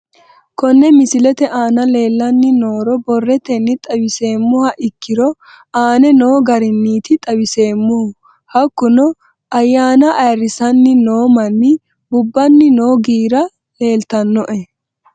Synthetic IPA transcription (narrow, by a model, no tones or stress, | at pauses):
kɔnːɛmɪsɪlɛt̪ɛʔaːnɐle̞ːlːɐnːɪno̞ːɾɔbɔrːɛt̪ɛnːɪt̪ʼɐwɪse̞ːmːʊhɐʔɪkːɪɾɔ | aːnɛno̞ːɡɐɾɪnːiːt̪ɪt̪ʼɐwɪse̞ːmːʊhʊ | hɐkːʊnɔ | ɐjːaːnɐʔːjrːɪsɐnːɪno̞ːmɐnːɪ | bʊbːɐnːɪno̞ːɡiːɾɐ | le̞ːlt̪ɐnːɔʔɛ